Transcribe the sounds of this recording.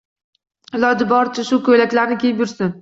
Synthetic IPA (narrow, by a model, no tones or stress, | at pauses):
ɪlɒd͡ʒɪbɒɾt͡ʃʰɪʃʊkɵjlakʲlaɾnɪkʲejɪpjʊɾsɪn